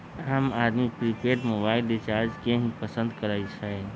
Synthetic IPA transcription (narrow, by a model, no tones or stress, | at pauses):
əmaːd̪mipɾipʰeːʈmobaːɪlet͡ʃaːɾd͡ʒkeɦĩpəsə̃nd̪kəɾait͡ʃʰae